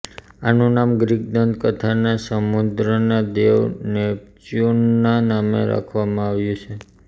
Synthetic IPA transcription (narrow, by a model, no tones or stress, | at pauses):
anũnamɡɾiɡ̚d̪ənd̪kət̪ʰanasəmud̪ɾənad̪eʋnet͡ʃunːanamḛɾa̰kʰʋamãaʋjũt͡ʃʰe